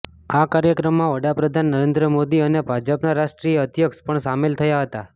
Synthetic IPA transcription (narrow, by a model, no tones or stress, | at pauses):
akaɾjəkɾəmːãʋəɽapɾəd̪ʱanːəɾẽnd̪ɾəmod̪iənebʱad͡ʒəpnaɾaʃʈɾijəːd̪jəkspəɳsamelt̪ʰəjaɦət̪a